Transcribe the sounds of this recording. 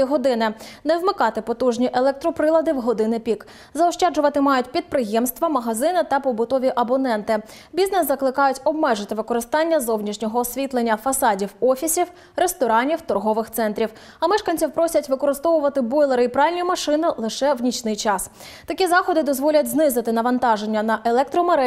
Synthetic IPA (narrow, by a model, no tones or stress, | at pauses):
iɦɔd̪ɪnɪnɛwmɪkɑt̪ɪpɔt̪uʒnʲiʔelˠɛk̚t̪ɾɔpɾɪlˠɐd̪ɪwɦɔd̪ɪnɪpʲik | zɐɔʃt͡ʃɑd͡ʒʊʋɐt̪ɪmɑjʊtʲpʲid̪̚pɾɪjɛmst̪ʋɐmɐɦɐzɪnɪt̪ɐpɔbʊt̪ɔʋʲiʔɐbɔnɛnt̪ɪ | bʲiznɛsːɐklˠɪkɑjʊtʲɔbmɛʒɪt̪ɪʋɪkɔɾɪst̪ɑnʲːɐzɔwnʲiʃnʲɔɦɔsʲʋʲit̪lˠenʲːɐfɐsɑdʲiwɔfʲisʲiw | ɾest̪ɔɾɑnʲiwt̪ɔrɦɔʋɪxt̪sɛnt̪ɾʲiw | ɐmɛʃkɐnʲt͡sʲiwpɾɔsʲɐtʲʋɪkɔɾɪst̪ɔʋʊʋɐt̪ɪbɔjlˠeɾɪipɾɑʋilʲnʲimɐʃɪnɪlˠɪʃɛwnʲit͡ʃnɪjt͡ʃɑs | t̪ɐkʲizɑxɔd̪ɪd̪ɔzʋɔlʲɐt̚ʲznɪzɪt̪ɪnɐʋɐnt̪ɑʒenʲːɐnɐʔelˠɛk̚t̪ɾɔmeɾɛ